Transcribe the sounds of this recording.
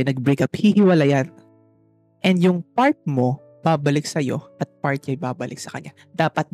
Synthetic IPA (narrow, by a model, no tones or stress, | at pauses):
nɐɡ̚bɾejkaphihɪwɐlɐjan | ʔɛnd̪jʊŋpaɹt̪̚mo̞ | b̥abɐlɪksɐjo̞̰ʔɐt̪̚paɹt̪̚ɲajbaːbɐlʔɪ̰ksɐkɐ̰ɲa | d̪̥aːpɐt̪̚